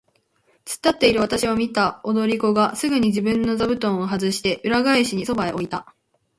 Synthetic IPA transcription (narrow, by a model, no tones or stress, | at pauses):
t͡sɨ̥t̪ːat̪ːe̞iɾɯ̟β̞at̪aɕiβamʲit̪aod̪o̞ɾʲiko̞ɡasɨɡɯ̟ɲ̟iʑibɯ̟̃nːo̞zabɯ̟t̪õ̞ɰ̃o̞ɦazɨɕi̥t̪e̞ʔɯ̟ɾaɡaiɕiɲ̟iso̞baeʔo̞it̪a